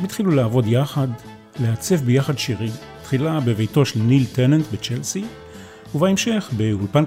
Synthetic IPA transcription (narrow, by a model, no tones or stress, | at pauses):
mit̪χilulaːvo̞djaχad | le̞at͡se̞fbejaχadʃiʁi | t̪χilabevejto̞ʃelniltenantbet͡ʃelsi | uvaemʃe̞χbe̞ulpan